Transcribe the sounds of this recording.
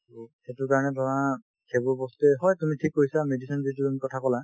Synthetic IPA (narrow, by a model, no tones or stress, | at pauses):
xetʊɹkaɹɔnɛdʱɔɹa | kʰebɔbɔstɛɦɔjtumitʰikːoisamedisɔnzit̬uamikɔtʰakɔla